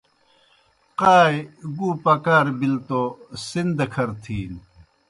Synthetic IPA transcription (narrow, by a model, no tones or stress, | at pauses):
qaːjɡuːpɐkaːɾbilt̪osind̪ɐkʰɐɾt̪ʰiːn